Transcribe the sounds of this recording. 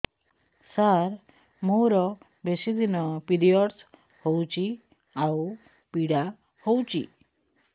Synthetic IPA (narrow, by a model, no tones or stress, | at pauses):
saɾ | mowɾɔ | besid̪inɔpiɾijɔɽs | howt͡ɕi | au | piɽa | howt͡ɕḭ